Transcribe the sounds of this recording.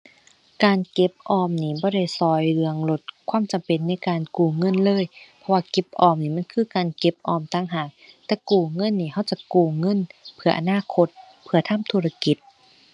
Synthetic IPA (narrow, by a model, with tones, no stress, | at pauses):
kaː˨nke˧˦p̚ʔɔː˧˩mniː˧˩bɔː˧˦ɾa˧˩˨jsɔː˧˩jlɯ˧əŋlo˧˦t̪̚kʰwaː˧˥˨mt͡ɕa˨mpe˨nːa˧˩˨jkaː˨nkuː˨˩ŋɤ˧˥˨nlɤː˧˥˨jpʰɔ˧waː˧ke˧˦p̚ʔɔː˧˨mniː˧˩ma˧˥˨nkʰɯː˧˩˨kaː˨nke˧˦p̚ʔɔː˧˩mt̪aː˧˩˨ŋɦaː˧˩k̚t̪ɛː˧kuː˧˩ŋɤ˧˥˨nːiː˧˩ha˧˥˩wt͡ɕa˧˦kuː˧˩ŋɤ˧˥˨npʰɯ˧ɐʔa̰˧˨naː˧˥˨kʰo˧˦t̪̚ | pʰɯ˧˩ɐt̪ʰa˧˥˨mt̪ʰuː˧ɾa˧ki˨˦t̪̚